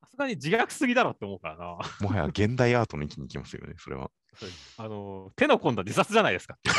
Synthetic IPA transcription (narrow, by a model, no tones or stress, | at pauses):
sasɨɡaɲ̟id͡ʑiɡakɯ̟̥sɨɡʲid̪aɾoːt̪ːeomo̞ːkaɾanamoɦaja̰ɡẽ̞nd̪aiaːt̪o̞noikʲiɲ̟iːkʲimasɨjo̰neso̞ɾeβa̰ | sod̪esano̞t̪e̞no̞kõ̞nd̪ad͡ʑisat͡sɨʑanaid̪e̞sɨ̥kḁ